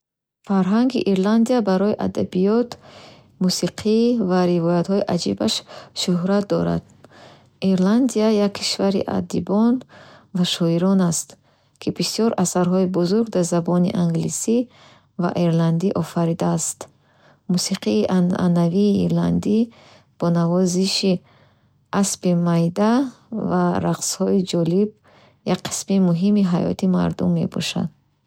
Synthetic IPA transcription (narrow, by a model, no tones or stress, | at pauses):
faɾɦaŋɡiʔiɾland̪iabaɾɔiʔa̰d̪a̰bijɔt̪ | musiqʰivaɾivɔjat̪hɔiʔad͡ʒḭbaʃʃuɦɾat̪̚d̪ɔ̰ɾa̰d̪̥ | ʔiɾland̪iajakʰːi̥ʃvaɾḭʔa̰d̪ḭbɔnvaʃɔiɾɔnast̪ | kʰibisjɔɾʔasaɾɦɔibuzuɾɡd̪aɾzabɔnḭʔaŋɡlisi | va̰ʔeɾland̪iʔɔfaɾid̪aːst̪ | musiqʰiːʔa̰naviːɾland̪i | b̥ɔnavɔziʃi | ʔaspimajd̪a | vaɾaqshɔid͡ʒɔlib̚ | jakqʰːi̥smimuɦimiɦajɔ̰t̪ʰima̰ɾd̪umːe̞̰bɔ̰ʃa̰d̪̥